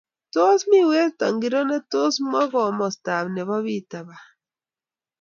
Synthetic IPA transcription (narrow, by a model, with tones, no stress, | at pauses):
to˦smi˦˨we˦sta˨ŋɡi˨ɾo˦nɛ˦to˦smɔ˦ɣɔ˨mɔ˨sta˨bne˨βɔ˦βi˦ta˨βa˨